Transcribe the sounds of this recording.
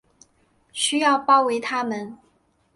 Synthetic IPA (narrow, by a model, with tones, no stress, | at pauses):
ɕy˥jɑ˥˧ʊpɑ˥˩ʊwe˧˥ɪt̪ʰa˥mə˨˦n